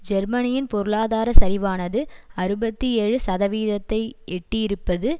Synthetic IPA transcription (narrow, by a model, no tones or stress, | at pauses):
d͡ʒɛɾmɐnɪjɪnpɔɾɯɭaːðaːɾɐsɐɾɪʋaːnɐðɯɐɾɯbɐt̪ːieːɻɯsɐðɐʋiːðɐt̪ːɐɪɛʈːijɪɾɯpːɐðɯ